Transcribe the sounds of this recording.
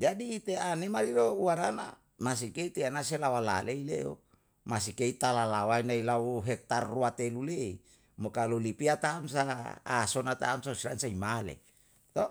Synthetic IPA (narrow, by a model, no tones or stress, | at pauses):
d͡ʒadiːt̪eanemaliɾouaɾana̰ | mas̬ikeit̪eanaselawala̰leilḛo̰ | mas̬ikeit̪alalawainailauɦɛk̚t̪arːuat̪elulei | mokalolipiat̪aːmsa̰ːsonat̪a̰ːmsasilansaimalḛ | t̪o